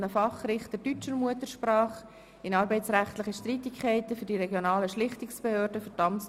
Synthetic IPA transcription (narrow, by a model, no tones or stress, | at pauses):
nəfɑχɾɪχtədyt͡ʃəɾmuətəɾʃprɑːχ | ɪnɑɾbɛɪt͡sɾæχtlɪχəʃtritɪkʰχɛɪtəfʏɾdiɾɛɡjonɑːləʃlɪχtɪksb̥ehøːɾdəfətɑmt͡s